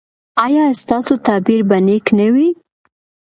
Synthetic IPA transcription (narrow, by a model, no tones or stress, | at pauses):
ɑjɑst̪ɑsot̪ɑbiɾbaneknawi